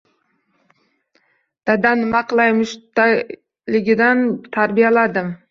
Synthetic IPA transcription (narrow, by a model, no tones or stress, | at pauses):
d̪̥ad̪anmɑqlˠajmʊʃt̪a | lɪɡʲɪd̪ant̪ʰaɾbijalad̪ɪm